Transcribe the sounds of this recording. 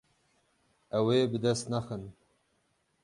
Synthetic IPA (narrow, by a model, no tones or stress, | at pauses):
ɐwebɨd̪ɐst̪naxən